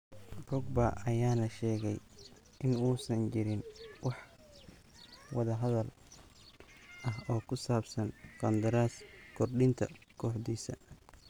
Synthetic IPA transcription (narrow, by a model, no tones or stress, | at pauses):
rʊɡ̚bɐʔɐjaːnɐʃɛːɣɛj | ʔɪnuːsɐnt͡ʃɪɾɪnwɑħ | wɑðɐɦɐðɐl | ʔɐɦɔːkʰʊsaːbsɐnkʰɐnd̪ɐɾaːskʰɔrɖɪnt̪ʰɐ̰kʰɔːħd̪iːsɐ